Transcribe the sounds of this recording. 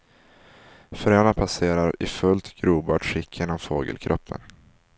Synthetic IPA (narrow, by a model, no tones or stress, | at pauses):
fœɾeːnapʰaseːɾaɾɪfɵlt̪ɡ̥ɾuːbɑːʈɧɪkʰːɪnɔmfoːɡə̰lkʰɾɔpːə̰n